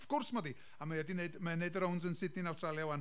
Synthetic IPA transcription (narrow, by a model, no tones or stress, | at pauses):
fkʊrsmɔdi | amajɛdineɨdmaneɨdəɾownsənsɪdnɪnawstʰralˠjawan